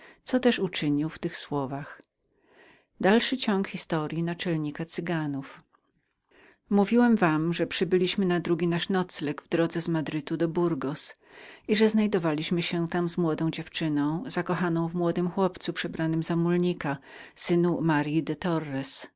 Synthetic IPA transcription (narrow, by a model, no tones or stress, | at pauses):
t̪sɔt̪ɛʂut͡ʂɘɲiwft̪ɘxswɔvax | d̪alʂɘt͡ɕɔŋkxʲist̪ɔɾʲjinat͡ʂɛlɲikat̪sɘɡanuf | muvʲiwɛmvamʐɛpʂɘbɘlʲiɕmɘnad̪ɾuɡʲinaʂnɔt̪slɛɡvd̪ɾɔd̪zɛzmad̪ɾɘt̪ud̪ɔbuɾɡɔs | iʐɛznajd̪ɔvalʲiɕmɘɕɛt̪amzmwɔd̪ɔ̃w̃d͡ʑɛft͡ʂɘnɔ̃w̃z̥akɔxanɔ̃w̃vmwɔd̪ɘmxwɔpt̪supʂɛbɾanɘmzamulɲika | sɘnumaɾjid̪ɛt̪ɔrːɛs